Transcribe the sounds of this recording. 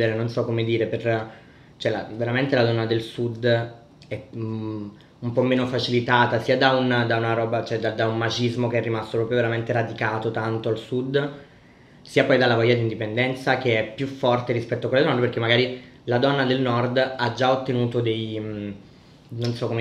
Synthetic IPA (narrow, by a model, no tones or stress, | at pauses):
eɾenonsɔkːomed̪iːɾeper | t͡ʃoɛlaveɾament̪elad̪ɔnːad̪elsud̪ | ɛ | umpɔmːeːnofat͡ʃilit̪aːt̪asiːad̪aund̪aunaɾɔːbat͡ʃoɛd̪ad̪aummat͡ʃizmok̟eɛrːimast̪opɾɔpɾjoveɾament̪eɾad̪ikaːt̪ot̪ant̪oalsud̪ː | siːapɔjd̪alːavajad̪ind̪ipend̪ɛnt̪sak̟eɛpːjufːɔrt̪eɾispɛt̪ːoakweled̪nɔnd̪perkːemːaɡaːɾi | lad̪ɔnːad̪elnɔrd̪ad͡ʒaot̪ːenuːt̪od̪ej | nonsɔkːoe